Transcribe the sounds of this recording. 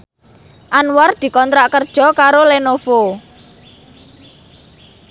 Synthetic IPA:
ʔanward̪̥i̤kɔnt̪ɾaʔkərd̥ʒ̥ɔ̤kaɾolenofo

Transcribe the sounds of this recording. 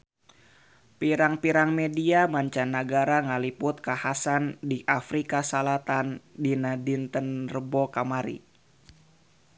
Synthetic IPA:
piɾaŋpiɾaŋmediamaɲt͡ʃanːaɡaɾaŋalipʊt̪̚kahasandiʔafɾikasalat̪andinadint̪ənrəbokamaɾḭ

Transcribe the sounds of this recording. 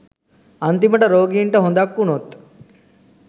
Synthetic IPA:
ɐnt̪imɐʈɐɾoːɡiːɳʈɐɦond̪akːunot̪ː

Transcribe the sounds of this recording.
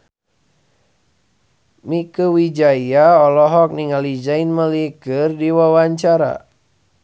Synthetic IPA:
mikəwid͡ʒaiaɔlɔɦɔk̚niŋalid͡ʒainməlikɨrdiwawaɲt͡ʃaɾa̰

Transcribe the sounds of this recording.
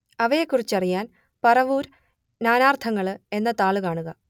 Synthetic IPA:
ɐʋɐje̞kːurit͡ɕːɐrijaːn | pɐrɐʋuːɾ | naːnaːrt̪ʰɐŋːɐɭɨe̞nːɐt̪aːɭɨkaːɳuɣɐ

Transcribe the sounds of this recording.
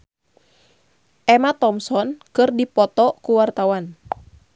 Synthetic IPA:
ʔɛmat̪ɔmsɔnkɨrdipɔt̪ɔkuwart̪awan

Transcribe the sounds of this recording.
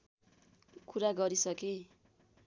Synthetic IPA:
kuɾaɡʌɾisʌke

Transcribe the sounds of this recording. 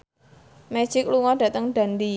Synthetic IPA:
mɛ̥ʒ̥ɪk̚luŋɔdä̤t̪əŋɖ̥a̤nd̪i

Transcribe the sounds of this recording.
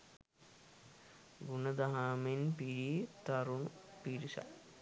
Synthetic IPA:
ɡunəd̪aɦamenpiɾit̪aɾunupiɾisa̰l

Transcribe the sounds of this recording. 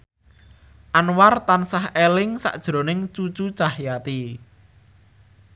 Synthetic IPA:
ʔanwart̪ansahelɪŋsa̰ʔd̥ʒ̥ɾo̤nɪŋt͡ʃut͡ʃut͡ʃahjat̪i

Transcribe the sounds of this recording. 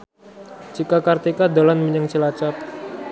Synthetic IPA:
t͡ʃikakart̪ikad̪alanməɲəŋt͡ʃəlat͡ʃap̚

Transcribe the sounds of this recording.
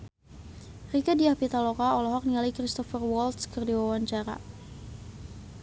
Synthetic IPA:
rikadiahpit̪alɔkaɔlɔɦɔk̚nialjkɾist̪ɔfərwɔlt̪skərdiwawaɲt͡ʃaɾa̰

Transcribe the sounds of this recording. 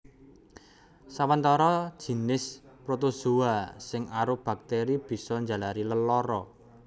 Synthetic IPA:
sawənt̪ɔɾɔd̥ʒ̥i̤nɪspɾot̪uzuasɪŋaɾob̥a̤k̚t̪eɾib̥i̤sɔɲd͡ʒa̤laɾiləlɔɾɔ

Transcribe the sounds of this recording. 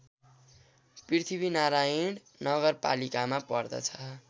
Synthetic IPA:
prit̪ʰibinaɾajiɖ | nʌɡʌrpa̰likamapʌrd̪ʌ̰t͡sʰʌ

